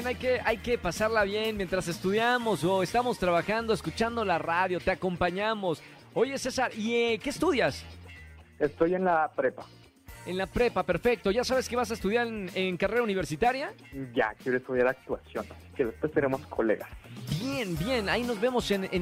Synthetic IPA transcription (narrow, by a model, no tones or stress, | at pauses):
enajke̞ʔajke̞pasaɾlaβje̞nmje̞nt̪ɾase̞st̪uðjamo̞so̞est̪amo̞st̪ɾaβaxand̪o̞eskut͡ʃand̪o̞laraðjo̞t̪eako̞mpaɲamo̞s | o̞ʝe̞se̞saɾieke̞ːst̪uðjas | est̪ojenlapɾepa | e̞nlapɾe̞pape̞ɾfe̞k̚t̪o̞ʝasaβeske̞βas̬aest̪uðjaɾeneŋkare̞ɾauniβeɾsit̪aɾja | ɟ͡ʝa̰kjeɾoest̪uðjaɾak̚t̪wasjo̞̰nasi̥keðespwe̞st̪enemo̞skʰolḛɣasbjenbje̞naino̞zβe̞mo̞se̞ne